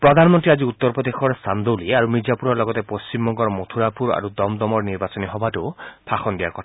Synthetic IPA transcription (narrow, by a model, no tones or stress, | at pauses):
pɹɔd̪ʱanmɔnt̪ɹiaziut̪ːɔɹpɹɔd̪exɔɹst̪ʰand̪oliaɾumid͡ʒapuɾɔɹlɔɡɔt̪epost͡ʃimbɔŋɡɔɹmot̪ʰuɾapuɾa̰ɾud̪ɔmd̪ɔmɔɹniɹbasɔniɦɔbatupʰaxɔnd̪ijaɹkɔtʰa